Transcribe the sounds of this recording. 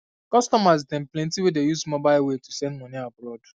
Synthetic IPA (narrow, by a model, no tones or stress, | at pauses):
kɔstɔmaztɛ̃mplẽntiwedejuzmɔbaɪlwetusɛ̃ndmɔniabɾɔd